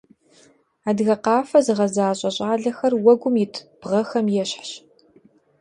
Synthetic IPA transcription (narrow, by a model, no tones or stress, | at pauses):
aːdɣɐqɑːfɐzɨʁɐzaːɕʼɐɕʼaːɮɐxɐrwɐɡʷʊmjɪtʰb̥ʁɐxɐmjɛɕħɕ